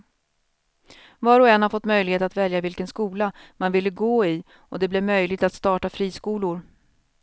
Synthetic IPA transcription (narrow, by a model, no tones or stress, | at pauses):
vɑːɾɔɛnhaɾfɔt̪ːmœjlɪɡheːt̪at̪vɛljavɪlkənskuːlamanvɪlːəɡoːɪ | ɔd̪ɛblɛvmœjlɪɡ̚t̪at̪st̪ɑːʈafɾiːskuːlʊɾ